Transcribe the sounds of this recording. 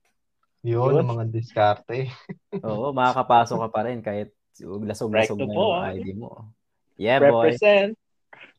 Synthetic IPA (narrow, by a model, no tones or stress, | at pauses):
jonɐŋmɐŋad̪ɪskaɾt̪ɛʔoːʔo̞mɐkakɐpaːsokɐpɐɾɛnkaːhɪt̪̚ | wɐɡlɐsoɡ̚ɐsoɡnɐʊʔajd̪imo̰ | jɛɹɛboɛjsɛnt̪̚